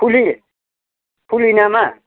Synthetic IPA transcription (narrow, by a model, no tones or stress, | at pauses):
puli | pʰulinama